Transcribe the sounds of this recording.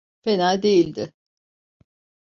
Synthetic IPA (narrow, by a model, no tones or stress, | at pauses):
fenaːd̪e̞jilʲd̪ɪ